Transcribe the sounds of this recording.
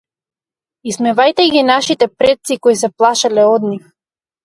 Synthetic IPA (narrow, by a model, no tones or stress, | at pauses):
ismɛvajt̪ɛɡʲinaʃit̪ɛpɾɛt̪sikɔisɛplˠaʃalɛɔd̪nif